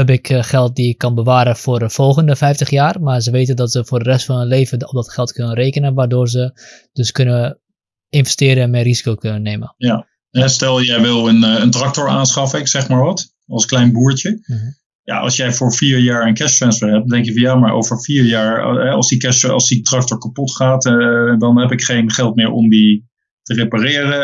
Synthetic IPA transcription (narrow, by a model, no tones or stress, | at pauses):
hɛb̬ɪkʰxɛlˠt̚diɪkːɔnbəʋaːɾəfʊːrəfolˠɣəndəfɛjftəχjaːrmazəʋeːtəndɔtsəfʊːrdərɛstfɔnənleːvəɔp̚dɔtxɛlˠtkønənreːkənəʋardoːrzəd̥øskønə | ɪnvɛstɪːɾəɛnmɛrizi̥kowkønənːeməja | ɦɛstɛlˠjɛjʋɪlˠənəntrak̚toɹaːnsχɑfəɪksɛχmaːɹʋɔt | ɑlˠsklɛjnbuːəɹtjə | ja̰ʔɑ̰lˠsjɛjfoːɹfiːɹjaːɹənkɛsfɛnsfəɹɦɛp̚ddɛŋkjəfɑnjamaɹʔo̰wvəɹfiːɹjaːɹɦɛɑ̰lˠsdikɛsɑ̰lˠsditrɑk̚tɔɹkapɔtχaːtdɔnɦɛpɪkχejnχɛlˠt̚mɪːɹɔ̰mdi | təreparɪːəɾə